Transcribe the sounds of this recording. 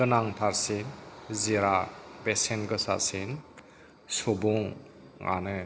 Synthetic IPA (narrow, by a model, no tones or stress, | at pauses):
ɯnaŋpʰaɾsinziɾabesenɡɯsa̰sin | sɔbuŋː | a̰nɯ